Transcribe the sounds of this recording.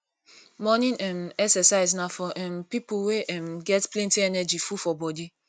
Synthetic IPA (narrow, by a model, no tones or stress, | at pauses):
mɔnĩnɛmɛksɛsaɪznafɔʔɛmpipuweʔɛmɡɛtplẽntĩɛnɛd͡ʒifufɔbɔdi